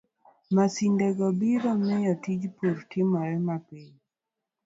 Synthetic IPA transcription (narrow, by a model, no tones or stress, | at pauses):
masindɛɡɔbiɾɔmɛjɔtid͡ʒpuɾtɪmɔɾɛmapiɲ